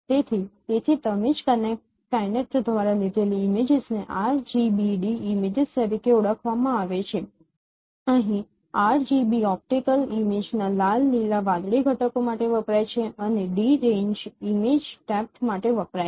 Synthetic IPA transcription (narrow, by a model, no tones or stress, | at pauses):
t̪et̪ʰit̪et̪ʰit̪əmed͡ʒkənek̚ʈ | kəjnek̚ʈd̪ʱʋaɾalid̪ʱeliːmed͡ʒɪzneʔaɾd͡ʒibiɖiːmed͡ʒist̪əɾikeuɽəkʰʋamãaʋet͡ʃʰe | əɦĩ | aɾd͡ʒibiɔp̚ʈikəlimed͡ʒnalalːilaʋãd̪ɽiɡʱəʈəkomaʈeʋəpɾajt͡ʃʰeəneɖiɾẽɲd͡ʒimed͡ʒʈɛk̚ʈmaʈeʋəpɾa